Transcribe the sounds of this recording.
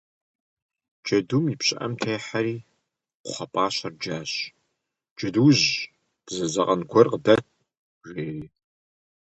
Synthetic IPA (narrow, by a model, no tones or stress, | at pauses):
d͡ʒɐdumipɕʼɐ̰ʔɐmtʰeːħaɾiː | qʷʊχɐpʼaːɕɐrd͡ʒaːɕ | d͡ʒɐduːʑ | d̥zɐzɐqʼɐnkʷʰɔrqədɐt̚ʰʼ | ʒʷeːriː